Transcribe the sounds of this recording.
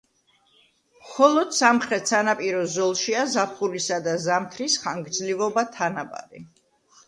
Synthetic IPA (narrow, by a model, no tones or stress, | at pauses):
mχɔlˠɔd̪̥samχɾɛt̪sanapʼiɾɔzɔlˠʃiazapʰχulisad̪azamt̪ʰɾisχaŋɡd̪zlivɔbat̪ʰanaba̰ɾḭ